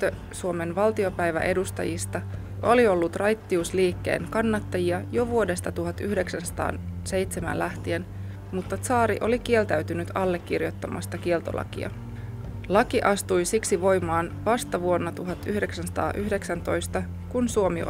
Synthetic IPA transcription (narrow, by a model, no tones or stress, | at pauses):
t̪ø | suo̞me̞nʋɑlt̪io̞pæjʋæ̰ʔe̞dust̪ɑ̰jist̪ɑ | ʔolio̞lːut̪rɑjt̪ːiusliːkːe̞̰ːŋkɑnːɑt̪ːɑjiɑjoʋuo̞de̞st̪ɑt̪uɦɑt̪ːyhde̞ksænsɑ̥t̪ɑ̰ːnse̞jt̪se̞mæ̰nlæht̪ie̞n | mut̪ːɑt̪sɑːɾiʔo̞likie̞lt̪æyɥt̪ynyt̪ɑlːe̞kːirjo̞t̪ːɑmʔɑ̰st̪ɑkie̞lt̪o̞̰lʔɑ̰kḭɑ̰ | lɑkiʔɑst̪ujsiksiʋo̞jmɑːnʋɑst̪ɑʋuo̞nːɑt̪uɦɑt̪ːyhde̞ksænsɑ̥t̪ɑ̰ːʔyɦde̞ksænt̪o̞jst̪ɑ | kunsuo̞mi